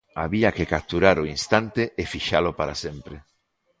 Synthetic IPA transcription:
aβiakekap̚t̪uɾaɾoinst̪ant̪eʔefiʃalopaɾa̰sempɾe

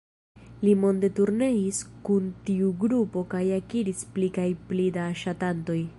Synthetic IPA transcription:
limo̞nde̞tuɾne̞iskuntiuɡɾupo̞kajakiɾisplikajplidaːʃatanto̞j

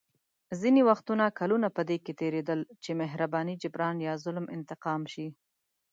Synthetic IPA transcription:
zinewaxt̪unakalunapəd̪eket̪eɾed̪əlt͡ʃemɪɦɾabɑnid͡ʒʊbɾɑnjɑzʊlmɪ̰nt̪ɪqɑmʃi

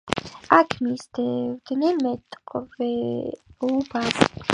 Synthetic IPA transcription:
akʰmisd̪ɛvd̪nɛnmɛt̪ʼqʼvɛ | ubaɾ

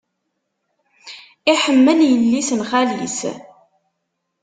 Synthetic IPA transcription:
iħəmːənjəlːisənχælḭs

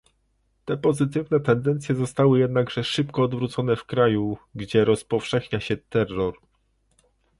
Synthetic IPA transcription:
t̪ɛpɔzɘt̪ɘvnɛt̪ɛnd̪ɛnt̪sʲjɛzɔst̪awɘjɛd̪̚naɡʐɛʂɘpkɔːd̪vɾut̪sɔnɛfkɾajuɡd͡ʑɛɾɔspɔfʂɛxɲaɕɛt̪ɛrːɔɾ

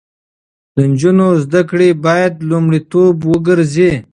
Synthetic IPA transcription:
d̪̥ənd͡ʒunozd̪akɽibɑjad̪lumɽit̪obwəɡəɾzi

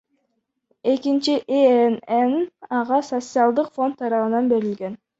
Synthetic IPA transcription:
e̞kint͡ʃiʔeenenɑʁɑso̞t̪sɨalˠd̪ɯqfo̞nt̪ʰːɑɾɑʁɯnɑnbe̞ɾilɡe̞n

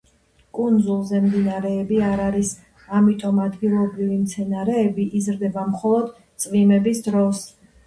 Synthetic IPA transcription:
kʼund̪zulˠzɛmd̪inaɾɛːbiaɾaɾis | amit̪ʼɔmad̪ɡilˠɔbɾivimt̪sʰɛnaɾɛːbiʔizɾd̪ɛbamχɔlˠɔd̪ | t̪sʼvimɛbisd̪ɾɔs

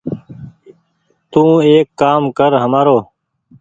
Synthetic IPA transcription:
t̪ũːeːkːaːmkəɾɦəmaːɾoː

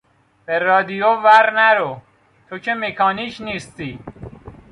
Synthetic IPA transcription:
b̥eɾɒːd̪ijovæɾnæɾo | t̪ʰocʰemekʰɒːniːcʰniːst̪iː

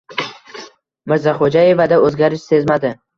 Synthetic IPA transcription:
mɪɾzaχod͡ʒaje̞vad̪aɵzɡʲaɾɪʃse̞zmad̪ɪ

